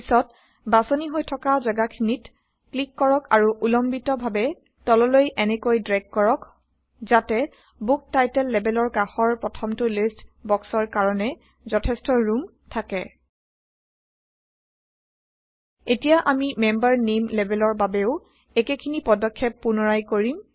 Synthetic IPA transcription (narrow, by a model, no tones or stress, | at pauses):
isɔt̚ | basoniɦojtʰɔkazaɡakʰinit | klikːɔɹɔkaɹuʔulɔmbitɔbʱabɛ | tɔlɔlojʔɛnɛkojdɹɛɡ̚kɔɹɔk | zatɛ | buk̚tajtɛlːɛbɛlɔɹkaxɔɹpɹɔtʰɔmtʊlistbɔksɔɹkaɹɔnɛ | zɔtʰɛstɔɹum | tʰakɛ | etijaʔamimɛmbaɹnemlebɛlɔɹbabɛʊ | ɛkekʰinipɔdɔkʰːɛpːunɔɹajkoɹim